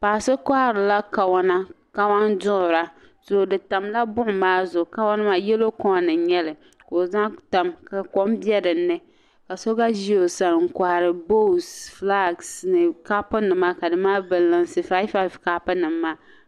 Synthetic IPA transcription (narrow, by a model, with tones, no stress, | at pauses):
paː˨sɨ˦kʷa˦hɾɨ˨la˦ka˨wa˦na˦ | ka˦wa˦ndʊ˦ʔʊ˨ɾa˨ | z̥ʊ˨dɨ˨ta˨mla˦bʊ˦ʔʊ˨maː˦zʊ˨ka˦wa˦nɨ˦ma˨jɛ˦lo˦kɔ˦˨nɨ˨ɲɛ˦lɨ˨ | ko˨za˦ŋta˨mka˨ko˦mbjɛ˦dɨ˨nːɨ˦ | ka˨so˦ɡa˦ʒi˦o˨sa˨ɾŋ̩˨kʷa˨ha˨ɾɨ˨bo˦˨sfla˦˨ɡsnɨ˨ka˦pʊ˦nɨ˨ma˦ka˨dɨ˨maː˦bɨ˨lːɨ˨nsɨ˨fa˦jfa˦vka˦pɨ˦nɨ˨mː˦aː˦